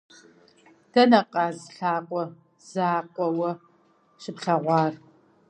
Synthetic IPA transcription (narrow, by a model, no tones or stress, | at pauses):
d̥ɐnɐqʼɑːzɬaːqʷʼɔ | z̥aːqʷʼɔwɐ | ʃɪpɬɐʁʷɑːr